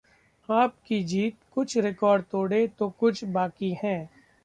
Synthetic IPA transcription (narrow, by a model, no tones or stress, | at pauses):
aːp̚kid͡ʒiːt̪̚kʊt͡ʃʰɾɪkɔːɾɖ̚t̪oːɽet̪okʊt͡ʃʰbaːkihɛ̃ː